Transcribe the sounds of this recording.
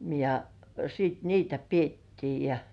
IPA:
jɑ siːt niːtæ pietːiː jɑ

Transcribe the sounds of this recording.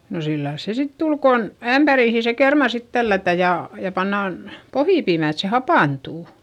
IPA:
no silːɑils se sit tul kon æmpæriˑhi se kermɑ sit tælːætæ jɑ jɑ pɑnːɑˑn pohiˑpiːmæˑ et se hɑpɑˑntuˑ

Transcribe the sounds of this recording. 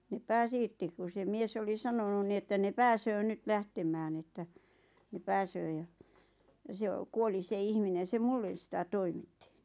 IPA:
ne pæːs irti ku se mies oli sɑnonun ni etːæ ne pæːsøː nyt læhtemæːn etːæ ne pæːsøː jɑ jɑ se o kuoli se ihminen̞ se mulːen̞ sitæ toimitːi

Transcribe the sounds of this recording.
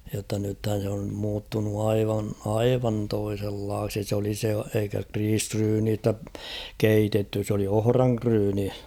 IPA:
jotːɑ nythæn̞ se om muːtːunu ɑiʋɑn ɑiʋɑn toiselːɑːksi s oli se eikæ kriːsryːniːstæ keitetːy s oli ohrɑŋkryːni

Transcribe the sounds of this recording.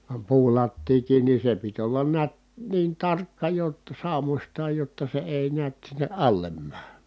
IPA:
ʋɑm puːlɑtːiːkiːn ni se pit olːɑn niæt niːn tɑrkːɑ jotːɑ sɑˑumosʲtɑːj jotːɑ se eˑi niæt sinːe ʔɑlːem mæː

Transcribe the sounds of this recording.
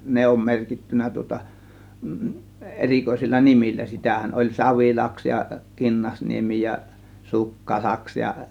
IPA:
ne om merkitːynˑæ tŭŏtɑ erikoisilːɑ nimilːæ sitæhæn olʲ sɑʋilɑks jɑ kinːɑsniemi jɑ sukːɑ lɑks jɑ

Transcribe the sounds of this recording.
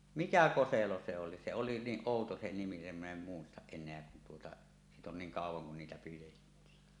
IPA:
mikæ koselo se oli se oli niːʔ ʔoˑuto se nimi nim min em muistɑʔ ʔenˑeæ kun tuotɑ siːt on niːŋ kɑˑuwˑɑŋ kun niːtæ pijetːiː

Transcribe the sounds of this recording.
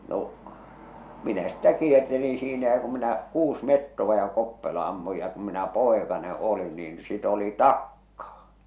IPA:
no minæ sĭtːæ kiertelin̞ siːnæ jɑ kum minæ kuːs metːoʋɑ jɑ kopːelo ɑmːuj jɑ kum minæ poekɑne olin niːn sit oli tɑkːɑː

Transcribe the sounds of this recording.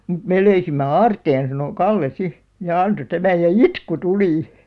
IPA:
mŭt meˑ løysimːe ɑːrteːn sɑno kɑlːe si jɑ ɑnto tæmæj jɑ itku tuli

